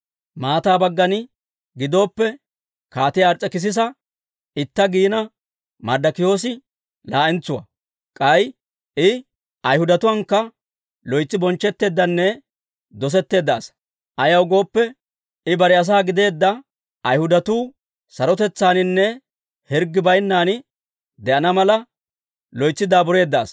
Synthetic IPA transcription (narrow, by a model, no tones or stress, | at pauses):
maːt̪aːbɐɡːɐnɪ | ɡɪd̪o̞ːpːɛ | kaːt̪ɪjaːɾt͡sʼːɛkɪs̬ɪs̬ɐ | ɪt̪ːɐɡiːnɐ | mɐɾd̪ɐkɪjo̞ːs̬ɪ | laːʔɪnt͡sːʊwɐ̰ | kʼɐj | ʔɪ | ɐjhʊd̪ɐt̪ʊwɐŋkːɐ | lɔjt͡sːɪbɔnt͡ʃːɛt̪ːe̞ːd̪ːɐnːɛ | d̪ɔs̬ɛt̪ːe̞ːd̪ːɐːs | ʔɐjɐwɡo̞ːpːɛ | ɪbɐɾɪɐs̬aːɡɪd̪e̞ːd̪ːɐ | ɐjhʊd̪ɐt̪uː | sɐɾɔt̪ɛt͡sːaːnɪnːɛ | hɛɾɡːɪbɐjnːaːnɪ | d̪ɛʔɐnɐmɐlɐ | lɔjt͡sːɪd̪aːbʊɾe̞ːd̪ːɐ̰ːs